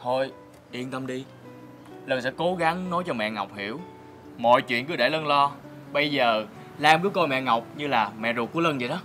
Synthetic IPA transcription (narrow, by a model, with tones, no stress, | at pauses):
t̪ʰo˧j | ʔi˧˩ənt̪ə˧mɗi˧ | lə˧˩ŋs̬ɛ̰˧˥ko˨˦ɣa˨˦ŋno˨˦jt͡ɕɔ˧mɛ̰˧˨ŋa˨˩wk͡p̚hi˧˩˨əw | mɔ̰˧˨jt͡ɕwḭ˧˨ənkɨ˨˦ɗe˧˩lə˧nlɔ˧ | ɓə˧jzəː˨˩ | laː˧mvɨː˨˦jko˧jmɛ̰˧˨ŋa˨˩wk͡p̚ɲɨ˧laː˨˩mɛ̰˧˨zu˨˩kːu˧˥˦lə˧nzi˨˩ɗɔ˨˦